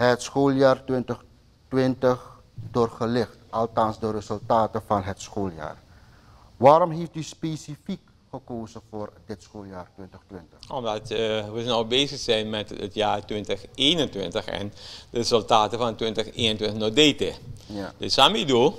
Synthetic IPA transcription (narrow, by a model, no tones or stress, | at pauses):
ɦətsxoːljaːrtʋɪntəx | tʋɪntəχ | doːrχəlɪxtʔɑlˠtɑnsdərəzɵlˠtaːtəvɑnɦətsxoːlja̰ːr | ʋaːɾɔmɦeftyspeːsifik | χəkoːzəvoːrdɪtsxoːlˠjaːrtwɪntəxtwʋɪntəxɔmdɑtʋəsnowbeːzəxsɛjnmɛtə̰tjaːrtʋɪntəxeːnəntʋɪ̰ntəxɛ̰ndərezəlˠtaːtəvɑntʋɪntəxḛːnəntwʋɪntəxnodeːtɪ̰dɪssamido